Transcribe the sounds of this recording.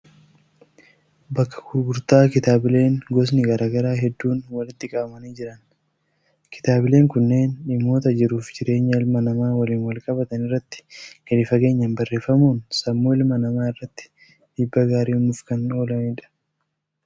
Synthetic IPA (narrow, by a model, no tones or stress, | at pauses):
bɐkːɐ̥ɡʊɾɡʊɾt̪aːkɪt̪aːbɪle̞ːŋɡɔs̬nɪɡɐɾaːɡɐɾaːɦɛd̪ːuːnwɐlɪt̪ːɪkʼɐbɐmɐniːd͡ʒɪɾɐn | kɪ̥t̪aːbɪle̞ːŋkʊnːe̞ːnᶑɪmːo̞ːt̪ɐd͡ʒɪɾuːfd͡ʒɪɾe̞ːɲːɐɪlmɐnɐmaːwɐliːnwɐlkʼɐbɐt̪ɐnɪrːɐt̪ːɪ̥ɡ̥ɐᶑɪfɐke̞ːɲːɐmbɐrːe̞ːfɐmuːnsɐmːoːɪlmɐnɐmaːɪrːɐt̪ːɪ̥ | d̪iːbːɐɡaːɾiːʊmʊfkɐno̞ːlɐniːᶑɐ̥